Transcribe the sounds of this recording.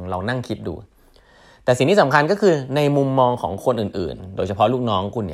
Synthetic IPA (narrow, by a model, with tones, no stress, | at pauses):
ɾa˧wna˥˩ŋkʰi˦˥t̪̚dṵː˧ | t̪ɛː˨˩si˨˩ŋt̪ʰiː˥˩sa˩˦mkʰa˧nkɔː˥˩kʰɯː˧na˧jmu˧mːɔː˧ŋkʰɔ̰ː˩˦ŋkʰo˧nʔɯː˨˩nʔɯ̰ː˨˩ndoː˧jt͡ɕʰa˧pʰɔ˦˥luː˥˩k̚nɔː˦˥ŋkʰu˧nːḭ˦˩